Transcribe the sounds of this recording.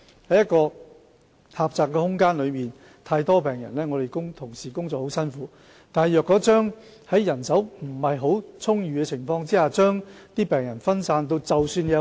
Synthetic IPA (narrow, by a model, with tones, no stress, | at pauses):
hɐ˨˥jɐ˥t̚kɔː˧ | haː˨p̚t͡saː˨˩kːɛː˧hʊ˥ŋkaː˥nlɵ˨˧ɥmiː˨n | t̪ʰaː˧jt̪ɔː˥pɛː˨ŋjɐ̰˨˩nlɛː˥ŋɔː˨˧t̪e˨jkʊ˥ŋt̪ʰʊ˨˩ŋsiː˨˩kʊ˥ŋt͡sɔː˨kho˨˥wsɐ˥nfuː˨˥ | t̪aː˨nɦɐ˨jœː˨kːɔː˨˥t͡ʃœː˥ŋ | hɐ˨˥jːɐ˨˩nsɐ˨˥wm̩˨˩hɐ˨jɦo˨˥wt͡sʰʊ˥ŋjyː˨˧kɛ˧t͡sʰɪ˨˩ŋfɔː˧ŋt͡siː˥haː˨t͡ʃœː˥ŋt̪iː˥pɛː˨˩ŋjɐ˨˩nfɐ˥nsaː˧nt̪o˧wt͡sɐ˨wsyː˧njɐ˨